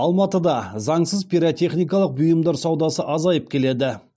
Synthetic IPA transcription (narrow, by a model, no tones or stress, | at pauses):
ɑlˠmɑt̪əd̪ɑzɑɴsəzpʰʲiɾot̪ʰe̞χnijkɑlˠəq̚bʊjəmd̪ɑɾsɑwd̪ɑsəʔɑzɑjəp̚kʲʰe̞le̞d̪ɪ